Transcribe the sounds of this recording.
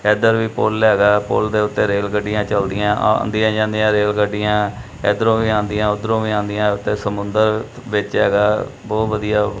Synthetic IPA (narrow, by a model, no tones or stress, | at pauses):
ɛːd̪əɾʋiːpolɛːɡaːpo̰ld̪eːʊt̪ːeːɾeːlɡəɖːɪjãːt͡ʃəld̪ɪjãːʔa̰nd̪ɪjãːd͡ʒãːnd̪jãːɾeːlɡəɖɪjãː | ɛ̰ːd̪ɾõːʋiːãːnd̪ɪjãːʊd̪ɾõːʋiːãːnd̪ɪjãːʊt̪ːeːsəmʊ̃nd̪əɾ | ʋɪt͡ʃɦɛːɡaːbɔːt̪ʋəd̪ijaː